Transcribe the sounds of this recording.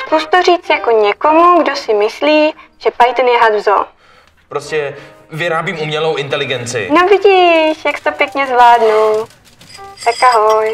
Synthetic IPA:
skuʃt̪oriːt͡sjako̞ɲɛko̞muɡdosɪmɪsliːʒ̥ɛpajt̪njɛɦad̪vzo̰ | pɾoscɛ | vɪɾaːbiːmʔumɲɛlowʔɪnt̪ɛlɪɡɛnt͡sɪ̰novɪɟiʃjakst̪opjɛkɲɛzvlaːdnu | t̪akʔaɦoj

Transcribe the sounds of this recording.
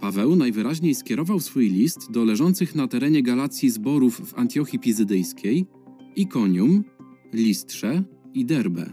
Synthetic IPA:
pavɛwnajvɘɾaʑɲejskʲjɛɾɔvawsfujlʲist̪d̪ɔlɛʐɔnt̪sɘxnat̪ɛɾɛɲɛɡalat̪sʲjizbɔɾufːa̰nt̪ʲjɔxʲipʲizɘd̪ɘjskʲej | ikɔɲum | lʲist̪ʂɛid̪ɛɾbɛ̰

